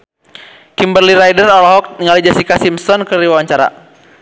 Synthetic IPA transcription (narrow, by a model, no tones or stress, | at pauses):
kimbərliɾajdərɔlɔɦɔk̚iŋalid͡ʒasikasimsɔnkəɾiwawaɲt͡ʃaɾa̰